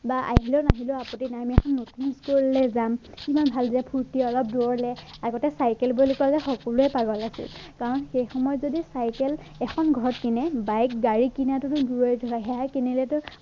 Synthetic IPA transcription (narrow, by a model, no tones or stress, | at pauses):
baʔa̰ɦilɔnaɦilɔapɔtinaamiɛkʰɔnːutniskoɹilɛzamkimanbʱaldiapʰuɹtiɔlɔp̚duɔɹlɛaɡɔtɛsajkɛlbulikalɛxɔkɔluɛpaɡɔlasḭlkaɹɔnxejxɔmɔjɔtzodisajkɛl | ɛxʰɔnɡʱɔɹɔtkinɛbajkɡaɹikinatʊtʊduɹojdʱɔɹaɦɛjakinɛlɛtʊ